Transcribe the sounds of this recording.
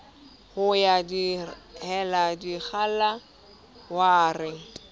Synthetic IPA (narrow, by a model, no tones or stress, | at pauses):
hʊjadihɛladik͡xala | waːrɪ